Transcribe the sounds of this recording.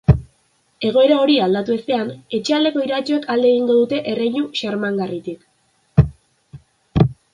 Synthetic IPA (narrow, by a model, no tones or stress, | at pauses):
e̞ɣ̞o̞e̞ɾao̞ɾiald̪at̪ue̞st̪e̞ane̞t͡ʃe̞ald̪e̞ko̞iɾat͡ʃoekald̪eeɣ̞iŋɡo̞ðut̪e̞ʔerejɲuʃaɾmaŋɡarit̪ik